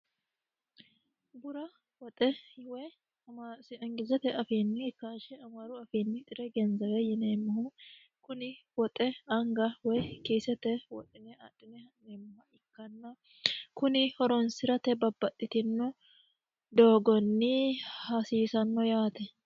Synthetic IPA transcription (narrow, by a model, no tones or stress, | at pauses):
bʊɾɐ | wɔt̪ʼɛwɛj | msɪɐŋɡɪzɛt̪ɛʔɐfiːnːɪɪkːaːʃɛɐmaːɾʊɐfiːnːɪt̪ʼɪɾɛɡɛnzɐwɛjɪneːmːɐhu | kʊnɪwɔt̪ʼɛɐŋɡɐwɔjkiːsɛt̪ɛwɔt̪ʼɪnɛaᶑɪnɛhɐneːmːɐɪkːɐnːɐ | kʊnɪhɔɾɔnsɪɾɐt̪ɛbɐbːɐt̪ʼːɪt̪ɪnːʊ | d̪oːɡɔnːɪhɐsiːsɐnːɔjaːt̪ɛ